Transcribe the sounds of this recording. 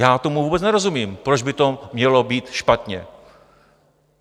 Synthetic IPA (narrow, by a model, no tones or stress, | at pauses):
jaːt̪o̞muvuːbɛt͡snɛɾo̞zumiːmpɾod͡ʒbɪt̪o̞mɲɛlo̞biːt̪ʃpat̪ɲɛ̰